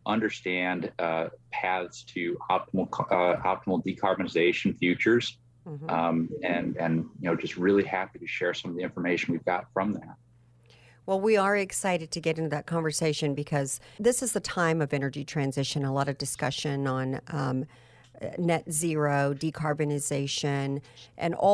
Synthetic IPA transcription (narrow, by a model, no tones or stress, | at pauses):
ʔʌ̃ndə˞stæ̃ndpʰæθstʰɨɑp̚tm̩l̩ˠkʰɑ̰p̚təm̩l̩ˠdikʰɑɹbɨnɨzeɪʃn̩fjʉt͡ʃə˞z̥̩ | ɨ̃nɨ̃njɨnoʊd͡ʒʌst̚ɹɪlˠihæpiɾɨʃɛɹsʌ̃mʌvðiɪ̃ɱfə˞meɪʃn̩wivɡɑtfɹʌ̃mðæt̚ | wɛlˠwiə˞ɨksaɪɾɨd̚tʰɨɡɛɾɪ̃ntɨðɨt̚kʰɑ̃ɱvə˞seɪʃɨ̃nbɨkʰʌz̥ðɪsɨzðətʰãɪ̃mʌvɛñə˞d͡ʒitʰɹ̥æ̃nzɪʃɨ̃nəlɔɾʌvdɨskʌʃɨ̃nə̃n | nɛtz̥ɪɹoʊdikʰɑɹbɨnɨzeɪʃɨ̃nʔɨ̰̃nɔ